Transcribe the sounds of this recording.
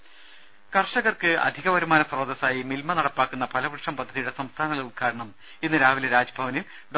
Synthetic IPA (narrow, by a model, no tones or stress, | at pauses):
kɐrʂɐɣɐrkɨɐ̰d̪ʱiɣɐʋɐɾumaːnɐsrɐːd̪ɐsaːjimilmɐnɐɽɐpːaːkːunːɐpɐlɐʋɨʈʂɐmpɐd̪ʱːɐðijuɽe̞sɐmst̪ʰaːnɐðɐukʰaːɾɐɳɐm | enːɨɾaːʋilɐɾaːd͡ʑɐbʱɐʋɐnim | ɖ